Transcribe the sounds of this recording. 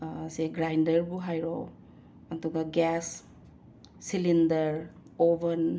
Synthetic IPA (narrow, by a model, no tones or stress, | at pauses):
seɡɾajndɐɾbuɦajɾow | ɐtuɡaɡɛs | ilindɐɾ | obɐn